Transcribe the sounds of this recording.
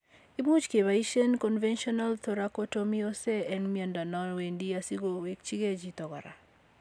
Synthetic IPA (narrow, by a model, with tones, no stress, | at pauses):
i˦mu˦t͡ʃke˨βa˨i˦ʃe˦nkɔ˨nvɛ˦nʃɔ˦na˦lt̪o˦ɾa˦ko˦to˦mi˦o˦se˦ɛ˦nmia˨nda˨nɔ˦nwe˨ndi˦asi˦ɡo˨we˦k̚t͡ʃi˦ɡe˦d͡ʒi˨t̪ɔ˨ɡɔ̰˨ɾa̰˨